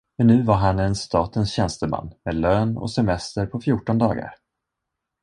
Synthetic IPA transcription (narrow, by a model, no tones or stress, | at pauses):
mɛnːʉ̟ːvaɾɦanɛnst̪ɑːt̪ənsɕɛnst̪əma̰nːmeːd̪løːnɔ̰sɛmɛst̪əɾpʰɔfjʊːʈːɔnd̪ɑ̰ːɡa̰ɾ